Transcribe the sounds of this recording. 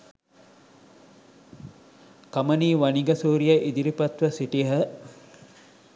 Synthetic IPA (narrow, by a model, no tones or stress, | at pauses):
kɐmɐniːʋɐniɡɐsuːɾijɐʔid̪iɾipɐt̪ʋəsiʈiɦə